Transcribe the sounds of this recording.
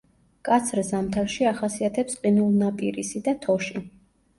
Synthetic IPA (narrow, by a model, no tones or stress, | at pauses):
kʼat̪sʰɾzamt̪ʰalʃiaχasiat̪ʰɛpsqʼinulˠnapʼiɾisid̪at̪ʰɔʃi